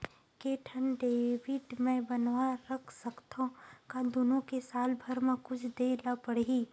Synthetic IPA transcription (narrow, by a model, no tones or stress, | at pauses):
keːʈʰənɖeːʋɪʈmɛ̃bɐnwaɾɐkʰsəkt̪ʰõkad̪ʊnõkesaːlbʱɐɾmẽkʊt͡ʃʰd̪eːlapəɽɦiː